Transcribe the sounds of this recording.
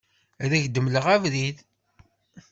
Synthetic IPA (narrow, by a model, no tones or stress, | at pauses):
ðæʝd̪əmləʁævðið